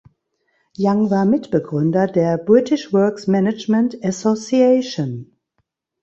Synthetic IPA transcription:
jaŋvaːɐmɪtb̥əɡʁʏndɐdeːɐbʁɪtʰɪʃvœɐksmɛnat͡ʃmɛ̃ntasosiɛɪʃon

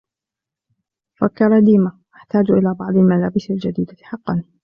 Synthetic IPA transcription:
fakːɑɾˤɑd̪iːmaʔaħt̪aːd͡ʒʔɪlaːbɑʕd̪ˤɪlmalaːbɪsɪld͡ʒad̪iːd̪aħɑqːɑn

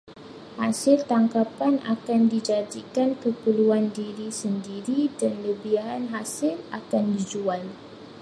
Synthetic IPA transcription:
hasɪlt̪aŋkapana̰kandid͡ʒadikankəpəluandiɾisəndiɾidanləbiaɦanɦasɪlakandid͡ʒual

